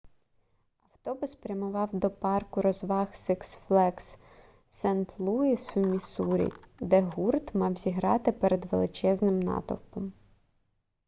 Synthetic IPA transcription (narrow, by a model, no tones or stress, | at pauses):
ɐwt̪ɔbʊspɾʲɐmʊʋɑwd̪ɔpɑrkʊɾɔzʋɑxsɛksflˠɛks | sɛnt̪lˠuisumʲisuɾʲḭd̪ɛɦurt̪mɑwzʲiɦɾɑt̪ɪpeɾed̪ʋelˠɪt͡ʃɛznɪmnɑ̰t̪ɔ̰wkɔm